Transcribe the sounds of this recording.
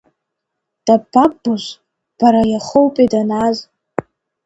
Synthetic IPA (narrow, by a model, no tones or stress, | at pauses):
d̥abʰabuʒʷ | b̥aɾajaχowpʼidanaz